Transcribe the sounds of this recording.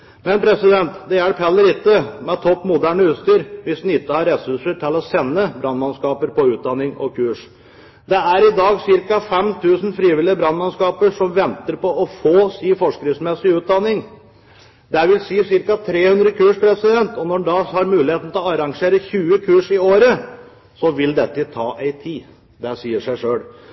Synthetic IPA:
mɛnpʰɾɛsɪd̪ɛnt̪d̪ɛæɽpʰɛlːəɾɪt̪ːəmɛt̪ʰɔpːmʊd̪æːɳəʉːt̪st̪yːɾʋɪsd̪n̩ɪt̪ːəhɑɾɛsʉʂəʈʰɪlɔsɛnːəbɾɑnmɑnskɑːpəɾpɔʉːt̪̚d̪ɑnːɪŋɔ̰kʰʉːʂ | d̪ɛæɾɪd̪ɑːɡsɪɾkɑfɛmt̪ʰʉːsn̩fɾiːʋɪlɪəbɾɑnmɑnskɑːpəʂɔmʋɛnt̪əɾpɔɔfoːsiːfɔʂkɾɪŋsmɛsɪʉːt̪̚d̪ɑnːɪŋ | d̪æʋɪlsiːsɪɾkɑt̪ʰɾeːhʉnd̪ɾəkʰʉːʂpʰɾɛsɪd̪ɛnt̪ɔnɔɖɑhɑɾmʉːlɪheːt̪n̩t̪ʰlɔɑɾɑŋʂeːɾəçʉːəkʰʉːʂɪoːɾə | sɔʋɪld̪ɛt̪ːəɪt̪ʰɑːʔæɪt̪ʰiː | d̪ɛsiːəʂæɪʂøːɽ

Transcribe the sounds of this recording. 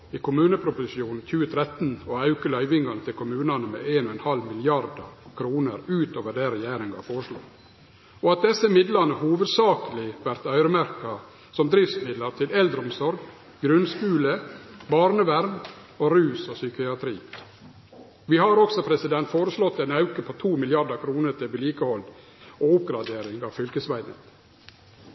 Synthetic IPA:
iːkʰʊmʉːnəpʰɾʊpʊsɪʃɪuːnn̩çʉːət̪ʰɾɛt̪n̩oɑʉkəlœʏʋɪŋɡɑnət̪ʰɪlkʰʊmʉːnɑnəmḛːʔeːnɔɛnhɑlmɪlɪɑɾd̪ɑ̰kʰɾuːnəɾʉːt̪oːʋəɖæɾɛjæːɾɪŋɡɑ̰foːɾəʂlo̰ː | ɔɑt̪̚d̪ɛsːəmɪd̪lɑnəhuːʋəd̪sɑːkəlɪʋæɾt̪œʉɾəmæɾkɑ | sɔmd̪ɾɪfsmɪd̪lɑɾt̪ʰɪlɛld̪ɾəʊmsɔɾɡ | ɡɾʉnskʉːləbɑɾnəʋæɾn | oɾʉːsosʏkɪɑt̪ʰɾḭː | ʋiːhɑɾɔksɔpʰɾɛsɪd̪ɛnt̪foːɾəʂlɔt̪ːɛɪnɑʉkəpʰot̪ʰuːmɪlɪɑɖɑkʰɾuːnəɾʈ̪ʰɪʋɪliːkəhɔlː | oʊp̚ɡɾɑd̪eːɾɪŋɑːʋfʏlkəsʋæɪnə̰t̪

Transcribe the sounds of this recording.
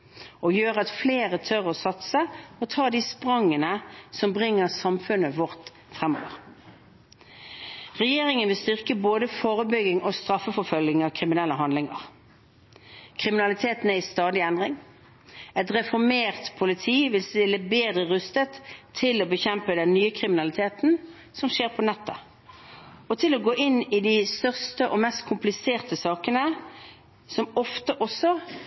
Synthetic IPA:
ɔjøːʁəɑt̪fleːʁət̪ʰœʁɔsɑt̪səɔt̪ʰɑːd̪iːspʁɑŋːənəsɔmbʁɪŋːəʁsɑmfʉnːəʋɔʁt̪ | fʁɛmːo̰ːʋəʁ | ʁɛjeːʁɪŋənʋɪlst̪ʏʁkəboːd̪əfoːʁəbʏɡɪŋɔst̪ʁɑfːəfɔfœlɡɪŋɑʋkʰʁɪmɪnɛlːəɦɑnd̪lɪŋɑ̰ʁ | kʰʁɪmɪnɑlɪt̪ʰeːt̪neːɪst̪ɑːd̪ɪɛnd̪ʁɪŋ | ɛt̪ʁɛfɔʁmeːʁt̪pʰʊlɪt̪ʰiːʋɪlsɪləbeːd̪ʁəʁʉst̪ət̪ʰːɪlɔbəçɛmpəd̪ɛnnyːəkʰʁɪmɪnɑlɪt̪ʰeːt̪n̩ | sɔmʃeːʁpʰɔnɛt̪ːə | ɔt̪ʰɪlɔɡoːʔɪnːɪd̪ɪst̪œʁst̪əʔɔmɛst̪kʰʊmplɪseːʁt̪əsɑːkənə | sɔmɔft̪əʔɔsɔ

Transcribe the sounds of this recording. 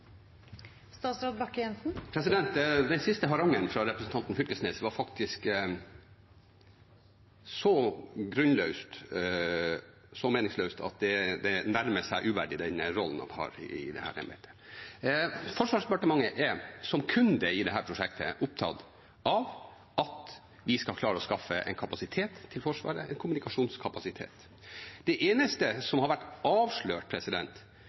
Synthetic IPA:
st̪ɑːt̪sɾɑːd̪bɑkːjɛnsn̩pʰɾɛsɪd̪ɛnt̪d̪ɛnsɪst̪əɦɑɾɑŋənfɾɑɾɛpɾəsn̩t̪ɑnt̪n̩fʏlkəsneːsʋɑɾfɑkt̪ʰɪsk | sɔɡɾʉnlœʉst̪ | sɔmeːnɪŋsløːst̪ʰɑ̰t̪̚d̪ɛd̪ɛnæɾməsæɪʔʉʋæɖɪd̪ɛnɾɔln̩ɑ̰nhɑ̰ɾɪ̰d̪ɛ̰hæ̰ːɾɛ̰mɛ̰t̪ʰə̥ | fɔʂʋɑːʂd̪ɛpɑʈəmɑŋːəʔɛsɔmkʰʉnd̪əɪd̪ɛɦæːɾpʰɾʊʂɛkt̪ʰə̰ʔʊp̚t̪ʰɑ̰d̪ | ʔɑʋ | ɑt̪ | ʋɪskɑlkʰlɑːɾəɔskɑfːəʔɛ̰ɪnkʰɑpɑsɪt̪ʰeːt̪ʰːɪlfɔʂʋɑ̰ːɾə̰ɛɪnkʰʊmʉnɪkɑʂuːnskʰɑpɑsɪt̪ʰḛːt̪ | d̪̥ɛʔeːnəst̪əsɔmhɑɾʋæʈːɑːʋʂɭøːʈ̚pʰɾɛsɪd̪ɛnt̪

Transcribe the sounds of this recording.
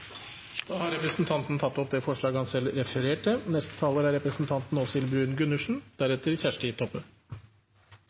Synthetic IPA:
d̪̥ɑːhɑɾɛpɾəsnt̪ʰɑnt̪n̩t̪ʰɑt̪ːɔp̚d̪eːfɔʂɭɑːɡhɑnsɛlɾɛfəɾeːʈənɛst̪ə̥t̪ʰɑːləɾæɾɛpɾəsn̩t̪ʰɑnt̪n̩ɔsɪlbɾʉːnɡʉnʉʂɳ̩d̪̥æɾɛt̪ːəɾçæʂʈəɪt̪ʰɔpːə

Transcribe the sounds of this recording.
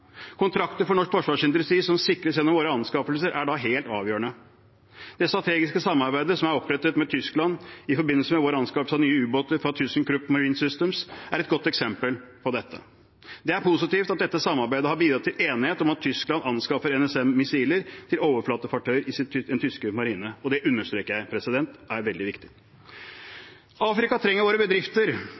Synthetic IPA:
kʰʊnt̪ʰɾɑkt̪əɾfɔɳɔʂkfɔʂʋɑːʂɪnd̪ɾəst̪ɾiːsɔmsɪkɾəsjɛnːɔmʋoːɾəɑnskɑfəlsəɾʔæɖɑɦeːlt̪ɑ̰ːʋjøːəɳə | d̪̥ɛst̪ɾɑt̪ʰeːɡɪskəsɑmːɑɾbæɪd̪əsɔmæɾɔpɾɛt̪ːət̪mɛt̪ʰʏsklɑnɪfɔɾbɪnːəlsəmɛʋoːɾəɑnskɑpəlsɑnyːəʉːboːt̪əɾfɾɑt̪ʰʉsnkɾʉpːmɑɹiːnsʏst̪əmsæɾɛt̪ɡɔt̪ːɛksɛmpəlpʰɔd̪ɛt̪ʰːə̰ | d̪ɛæɾpʰʊsɪt̪iːft̪ɑt̪̚d̪ɛt̪ːəsɑmːɑɾbæɪd̪əhɑɾbiːd̪ɾɑt̪ʰːɪleːnɪheːt̪ɔmɑt̪ʰːʏsklɑnɑnskɑfəɾɛnɛsɛmːɪsiːləɾt̪ʰɪloːʋəɾflɑːt̪əfɑk̚ʈ̪ʰøʏəɾɪsɪd̪ɛnt̪ʰʏskəmɑɾiːnəɔd̪ɛʔʉnːəʂt̪ɾeːkəɾjæɪpʰɾɛsɪd̪ɛnt̪æɾʋɛld̪ɪʋɪkt̪ɪ̥ | ɑːfɾɪkɑt̪ʰɾɛŋːəɾʋoːɾəbəd̪ɾɪft̪əɾ

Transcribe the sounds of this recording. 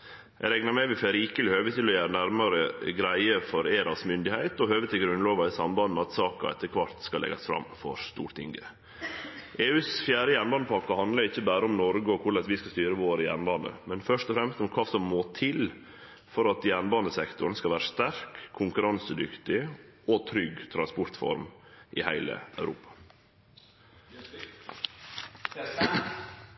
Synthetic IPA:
æ̰ɾɛŋnɑɾmɛʋɪfɛɾiːkəlɪhøːʋət̪ɪlɔjæːɾənæɾmɑɾəɡɾæɪəfɔɾeːɾɑsmʏnd̪ɪhæɪt̪ɔhøːʋət̪ʰɪlɡɾʉnloːʋɑɪsɑmbɑnn̩ɑt̪sɑːkɑ̰ɛ̰t̪ʰːəɾkʰʋɑɾt̪skɑlɛ̰ɡɑsfɾɑ̰mːfɔ̰ɾst̪ṵːʈt̪ɪ̰ŋɡə | ʔeːʉːsfjæːɾəjænbɑnd̪əpʰɑkːɑhɑnd̪ləɾɪçːəbæːɾəʊmnɔɾɡəɔkʰʊɭɛsʋɪskɑst̪yːɾəʋoːɾəjæ̰ɳbɑnə̰mɛnfœʂt̪ɔfɾɛmst̪ɔmkʰɑːsɔmːoːt̪ʰɪl | fɔɾɑt̪jæɳbɑːnəsɛkt̪ʊɾənskɑʋæːɾəʂt̪æɾkʰːʊŋkʉɾɑnsəd̪ʏkt̪ɪɔt̪ʰɾʏɡt̪ʰɾɑnspɔɾt̪fɔ̰ɾmʔɪ̰hæ̰ɪlə̰ʔœʉɾṵːpɑ̥

